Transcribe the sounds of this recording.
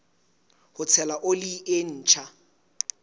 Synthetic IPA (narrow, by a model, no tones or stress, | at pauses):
hʊt͡sʰɛlaʔoliʔen̩ːt͡ʃʰa